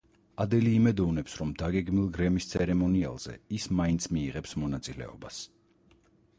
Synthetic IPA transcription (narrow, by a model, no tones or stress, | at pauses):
ad̪ɛliːmɛd̪ɔvnɛpsɾɔmd̪aɡɛɡmilˠɡɾɛmist̪sʰɛɾɛmɔnia̰lˠz̥ɛ̰ismaint̪sʰmiːʁɛpsmɔnat̪sʼilɛ̰ɔ̰bas